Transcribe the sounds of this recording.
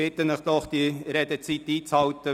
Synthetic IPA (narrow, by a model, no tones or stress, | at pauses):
ɪt̪ənəχd̥̪ɔχd̥̪iɾed̪ət͡sit̪iːt͡shɑwt̪ə